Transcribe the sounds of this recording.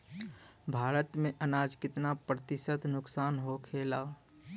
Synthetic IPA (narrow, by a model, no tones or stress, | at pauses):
bʱaːɾət̪mẽʔənaːd͡ʒkɪt̪napɾət̪ɪʃət̪nʊksaːnɦokʰeːlaː